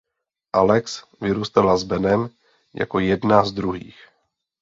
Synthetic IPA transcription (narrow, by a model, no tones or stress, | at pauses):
ʔalɛks | vɪɾuːst̪alazbɛnɛm | ja̰ko̞jɛdnazd̪ɾuɦḭːx